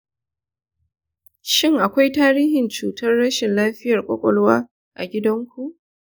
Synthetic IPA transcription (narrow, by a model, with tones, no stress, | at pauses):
ʃɪ˦ŋʔa˨kʷa˦jtaː˦ɾiː˦hɪ˨nt͡ʃuː˨tʰɐ˦rːɐ˦ʃɪ˨nlaː˦ɸɪ˦jɐ˨rkʷʼɔ̰˦kʷʼɔ˦lwaː˦ | ʔa̰˨ɡʲɪ˦dɐ˦ŋkʷu˨ʔ